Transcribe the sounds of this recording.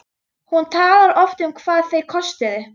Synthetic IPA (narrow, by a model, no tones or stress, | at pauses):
hunt̪ʰaːlaɾɔft̪ʏmkʰvaːðθejkʰɔst̪ɪðɪ